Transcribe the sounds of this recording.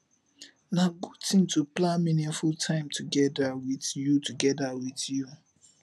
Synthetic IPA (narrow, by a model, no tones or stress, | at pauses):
naɡud̚tĩmtuplãminĩŋfultʰãɪ̃mtʰuɡɛdawiθjutuɡɛdawiθju